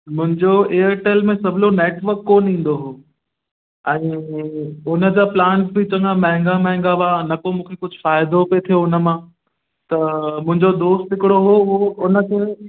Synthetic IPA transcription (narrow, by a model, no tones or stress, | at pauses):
mʊ̃ɦɪ̃ɲd͡ʑoeːəɾʈeːlmẽsɐbʱɪloneːʈʋəɾkːoːnĩːn̆d̪oɦoː | ɛ̃ː | ʊnə̆d͡ʑaːplãːɳʈ̚bʱɪt͡ɕɐ̃ŋɡãmɛ̃ɦɪ̃ŋɡamɛ̃ɦŋ̆ɡaʋanɐkomũːkʰekʊd͡ʑʱʊfaːɪd̪opet̪ʰijoʊnə̆mãː | t̪ɐmʊ̃ɦɪ̃ɲd͡ʑod̪oːsʈɦɪkɪɽoɦooʊnə̆kʰeː